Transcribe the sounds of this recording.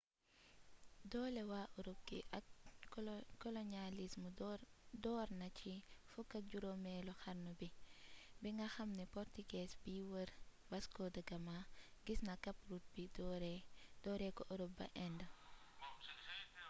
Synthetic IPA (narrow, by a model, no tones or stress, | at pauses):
dɔːlɛwaːʔɔɾup̚kḭʔɐk | kɔlɔnalismudɔːɾnɐcifukːɐɟuɾomɛːlɔxɐɾnobibiŋɡɐxɐmnɛpɔɾtiɡɛsbiːwəɾ | wɐskɔdɐɡɐmaɡisnɐkɐpɾut̚bidɾdɔːɾɛkɔʔɔɾub̚bɐ̰ʔɛndə